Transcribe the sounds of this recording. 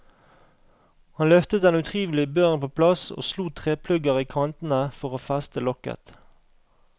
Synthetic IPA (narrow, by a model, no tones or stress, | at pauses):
hɑnlœft̪ət̪d̪ɛnʉt̪ʰʁiːʋl̩ɪbøːʁnpʰoːpʰlɑso̰ːsluːt̪ʰʁeːpʰlʉɡəʁiːkʰɑnt̪n̩əfɔʁoːfæst̪əlɔkə̰t̪